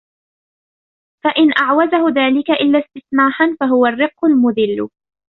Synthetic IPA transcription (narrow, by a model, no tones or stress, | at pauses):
faʔɪnʔaʕwazahʊðaːlɪkaʔɪlːaːst̪ɪθnaːħanfaɦʊwarːɪqːʊlmʊðɪlːʊ̰